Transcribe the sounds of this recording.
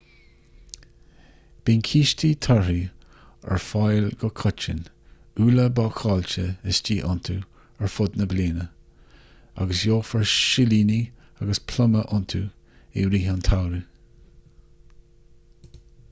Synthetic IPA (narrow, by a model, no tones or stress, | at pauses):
b̥iːnkʰiːʃtʰit̪ʰaɹi | ɛ̰ɹfajlɡɔkʰʊt͡ʃə̰n | uːləbaːkʰɑːlt͡ʃəɪsd͡ʒiːʔʊ̰nt̪ʰu | ɛɹfʊd̪nəbliːnə | a̰ɡəsjoːfəɹʃɪliːni | aɡəspʰlʊməʔʊnt̪ʰu | ḛɾiːɦant̪ʰawɾi